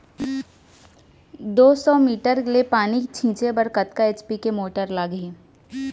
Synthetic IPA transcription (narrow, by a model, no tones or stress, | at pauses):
d̪oːsɔːmiːʈəɾlepaːnit͡ʃʰĩːt͡ʃebəɾkət̪kaeːt͡ʃpikemoːʈəɾlaːɡĩː